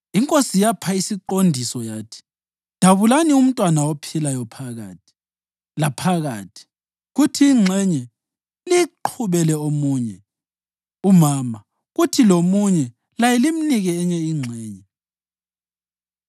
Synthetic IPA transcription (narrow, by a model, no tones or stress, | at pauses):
iŋkʼosijapʰaisiǃondʱisɔjaːtʰi̥ | d̥ʱaβulanium̩tʼwanaopʰilajɔpʰaɣa̰ːtʰi̥ | lapʰaɣa̰ːtʰi̥ | ɣutʰiːŋ͡ǁʱɛɲɛ | liǃʰuβɛlɛomuːɲɛ | umaːma | ɣutʰilomuɲɛ | lajɛlim̩niɣɛːɲɛiŋ͡ǀʱɛːɲɛ